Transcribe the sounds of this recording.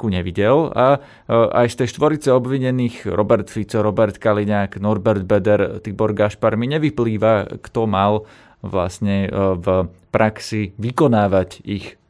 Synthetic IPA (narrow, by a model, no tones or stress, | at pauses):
kuɲɛʋiɟɛla | ʔa̰jst̪ɛjʃt̪ʋɔɾit͡sɛɔbʋiɲɛniːxɾɔbɛɾt̪fit͡sɔɾɔbɛɾt̪kaliɲaːknɔɾbɛɾd̪bɛd̪ɛɾt̪ibɔɾɡaʃpaɾmiɲɛʋipliːʋakt̪ɔmal | ʋla̰sɲɛvpɾʔaksiʋikɔnaːʋacix